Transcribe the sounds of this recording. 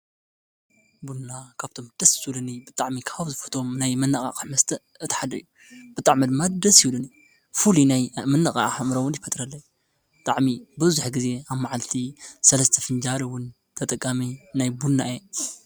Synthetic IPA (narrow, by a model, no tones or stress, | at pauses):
bunakʰaβt̪ʰo̞md̥̪ɐsjulunibɨt̪ʼaʕmikʰaβzɨfɨ̥t̪ʰʼo̞mnajmɐnakʼa̰kʼħmɐst̪ʰɐ | ɨt̪ʰħad̪ɐɨjːu | bɨt̪ʼaʕmid̪ɨmːad̪ɐsjuwluni | fulinajmɐnːɐkʼa̰ʔħamɾɐwːʊnjɪfɐt̪ʼɾɐlːɐj | bɨt̪ʼaʕmibɨβzuħɡize̞aβmaʕalt̪ʰisɐlɐst̪ʰɐfɨnd͡ʒaɾiwʊn | t̪ʰɐt̪ʼɐkʼːaminajbunːaʔe